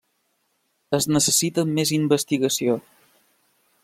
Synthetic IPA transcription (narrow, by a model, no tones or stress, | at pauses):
əznəsəsit̪əmmːezimbəst̪iɣəsio